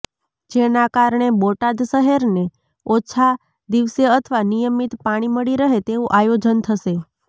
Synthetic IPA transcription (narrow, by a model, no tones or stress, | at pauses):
d͡ʒenakaɾɳeboʈad̪ʃəɦeɾne | ot͡ʃʰa | d̪iʋseət̪ʰəʋanijəmit̪paɽ̃iməɽiɾəɦet̪eʋũʔajod͡ʒənt̪ʰəʃe